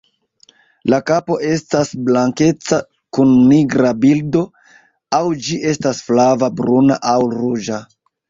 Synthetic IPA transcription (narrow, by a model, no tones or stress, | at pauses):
lakapo̞ʔe̞stasblaŋke̞t͡sa | kunːiɡɾabildo̞ | awd͡ʒiʔe̞stasflavabɾunaʔawɾud͡ʒa